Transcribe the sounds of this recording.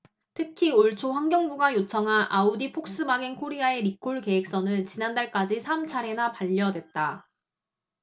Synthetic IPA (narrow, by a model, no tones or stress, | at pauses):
tʰɯkʰioɭt͡ɕʰoɸwaŋɡjʌŋbuɡajot͡ɕʰʌŋɦanʔaodipʰok̚s͈ɯbaɡenkʰoɾiae̞ɾikʰoɭke̞ek̚s͈ʌnɯnt͡ɕinandaɭk͈ad͡ʑisʰamt͡ɕʰaɾe̞napaʎːʌdwe̞t̚t͈a